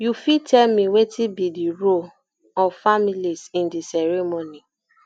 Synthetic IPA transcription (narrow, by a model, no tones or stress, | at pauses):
jufitɛlmĩwetʰibidiɾo | ɔfamilisĩndisɛɾɛmoni